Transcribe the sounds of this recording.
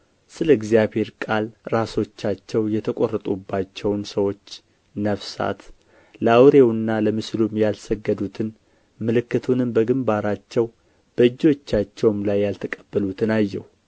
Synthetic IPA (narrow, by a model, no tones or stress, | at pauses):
sɨləɨɡzijaβhe̞ɾkʼalɾaso̞t͡ʃːat͡ʃːɛwjɛt̪ʰəkʼo̞rːət̪ʼubːat͡ʃːɛwnsəwo̞t͡ʃː | nəfsa̰t̪ | ləawɾewɨnːaləmɨslumjalsəɡːəd̪ut̪ʰɨn | mɨlɨkːɨt̪ʰunɨmbəɡɨmbaɾat͡ʃːɛw | b̥əɨd͡ʒːo̞t͡ʃːat͡ʃːɛwmlajːalt̪ʰəkʼəbːəlut̪ʰɨnajːɛh